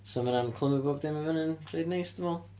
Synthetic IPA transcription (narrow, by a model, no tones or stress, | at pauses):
sɔmanankʰlˠəməboːbd̪ɪmavənənrejdnejsd̥əmɔlˠ